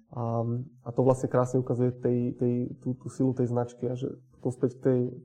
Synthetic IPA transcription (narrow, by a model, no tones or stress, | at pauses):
ʔaat̪ɔʋlast̪ɲɛkɾaːsɲɛukazujɛt̪ɛjt̪ɛjt̪uːt̪uːsilut̪ɛjznat͡ʃkiaʒɛ̰pɔ̥t̪ɔmspɛck̚t̪ɛj